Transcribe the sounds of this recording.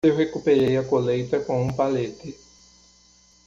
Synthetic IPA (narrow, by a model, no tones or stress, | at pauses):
ewɦekupeɾejɐkolejt̪ɐkõũpalet̪ɪ